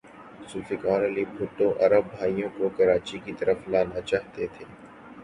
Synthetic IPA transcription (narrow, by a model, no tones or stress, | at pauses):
suːfɪkaːɾɐliːbʱʊʈːõʔɐɾəbːʱaːijõkokɐɾaːt͡ʃikit̪ɐɾəflaːnat͡ʃaːɦt̪et̪ʰeː